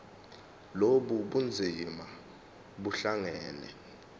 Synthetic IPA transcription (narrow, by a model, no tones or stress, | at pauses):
loɓuɓund͡zʱima | ɓuɬaŋɛːnɛ̰